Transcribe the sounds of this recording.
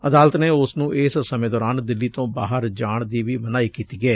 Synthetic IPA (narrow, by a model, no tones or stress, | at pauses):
əd̪aːlət̪neːʊsnũːʔɪːssəmẽːd̪ɔːɾaːnd̪ɪlːiːt̪õːba̰ːɦəɾd͡ʒaːɳd̪iːʋiːmənaːiːkiːt̪iːɡɛː